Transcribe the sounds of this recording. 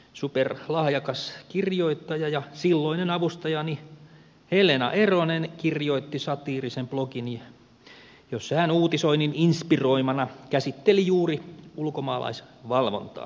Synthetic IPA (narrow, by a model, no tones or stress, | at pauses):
superlɑhjɑkɑskirjoit̪ːɑjɑjɑsilːoinenɑʋust̪ɑjɑni | helenɑ̰ʔeronenkirjoit̪ːisɑt̪iːrisemplokin | josehænuːt̪isoinininspiroimɑnɑkæsit̪ːelijuːriulkomɑːlɑ̰isʋɑlʋo̰nt̪ɑ̰ː